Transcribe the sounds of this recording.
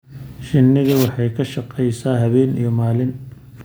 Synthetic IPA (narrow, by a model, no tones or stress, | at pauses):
ʃɪnːɪðɐwɑħɑjkʰɐʃɑqɛjsaːɦɐβɛːnḭjɔmaːlɪn